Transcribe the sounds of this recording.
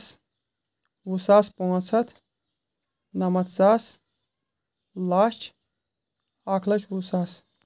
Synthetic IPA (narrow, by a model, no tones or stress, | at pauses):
s | wusaːspõːt͡sʰɐt̪ʰ | nɐmɐt̪ʰt͡saːs | laːt͡ʃʰ | aːkʰlɐt͡ʃʰusaːs